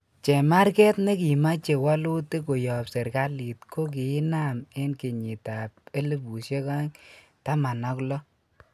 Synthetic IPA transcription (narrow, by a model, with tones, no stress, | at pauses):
t͡ʃɛ˨ma˦ɾkɛ˦tne˦ki˨ma˦t͡ʃe˨wa˦lu˦te˦ko˨jɔ˨pse˨ɾka˦li˨tkʰo˦k̬i˨ɪ˦na˦me˦nke˨ɲi˨ta˨pe˦le˦bu˨ʃe˦ka˦ɲ | ta˦ma˨nɔ˦klɔ˦